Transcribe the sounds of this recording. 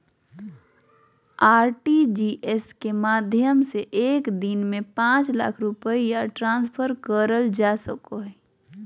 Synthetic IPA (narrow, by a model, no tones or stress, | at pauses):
aːɾʈid͡ʒiʔeskemaːd̪ʱjəmseʔeːkd̪inmẽpãːt͡ʃla̰kʰɾʊpəijaʈɾãːnspʰəɾkəɾəld͡ʒasəkoɦɛ